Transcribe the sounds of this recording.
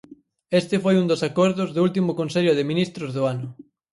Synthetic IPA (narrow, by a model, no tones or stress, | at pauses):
est̪ɪfojund̪ʊsakɔɾðʊzðʊult̪imʊkonseʎʊðɪminist̪ɾʊzðʊanʊ